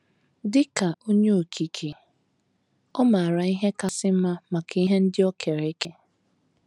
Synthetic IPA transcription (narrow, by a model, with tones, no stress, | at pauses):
dɪ˦ka˨o˦ɲe˦o˨kʰi˨kʰi˨ | ɔ˦ma˨a˨ɾa˨i˦ɦe˦ka˨sɪ˦ma˦ma˨ka˦i˦ɦe˦n̩˦dɪ˦ɔ˦kʰe˨ɾe˨˦ke˦